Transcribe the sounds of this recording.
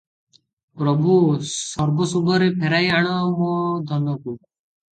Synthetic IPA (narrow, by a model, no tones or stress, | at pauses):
pɾɔbʱusɔɾbɔsubʱɔɾepʰeɾajaɽ̃ɔmɔ̃d̪ʱɔnɔku